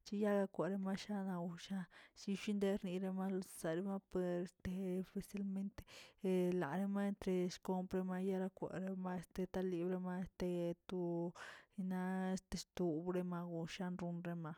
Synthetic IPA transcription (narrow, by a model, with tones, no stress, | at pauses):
t͡ʃi˦ja˦ɡa˧kʷe˨ɾe˧ma˦ʃa˦na˧u˧˨ʃa˦si˧ʃi˦nd̪e˦ɾni˧ɾe˧ma˦lo˧ssa˨ɾe˦ma˦pe˨ɾe˨st̪e˧fe˨sa˧˦lme˦nt̪e̥˦˧la̰˨ɾe˧ma˦e˧nt̪ɾe˧sko˧mpɾe˧ma˧ja˦ɾa˧kʷḛ˨ɾe˦ma˦e˧˦st̪e˧t̪a˦li˧bɾe˧ma˧e˧st̪e˧t̪u˧ | i˧na˦e˦st̪e˧st̪u˧bɾe˧ma˧ɡu˧ʃa˦nɾu˧nɾe˧ma˧